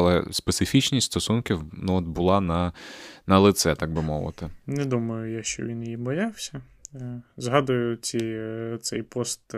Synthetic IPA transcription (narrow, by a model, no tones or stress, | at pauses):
ɐlˠɛ̰spet̪sɪfʲit͡ʃnʲisʲst̪ɔsunkʲiwnuɔt̪̚bʊlˠɑnɐnɐlˠɪt̪sɛt̪ɑɡ̚bɪmɔʋɪ̰t̪ɪnɛd̪umɐjʊjaʃt͡ʃɔ̰ʋʲinjjibɔjɑwsʲɐ | zɦɑd̪ʊjʊt͡sʲit̪sɛjpɔst̪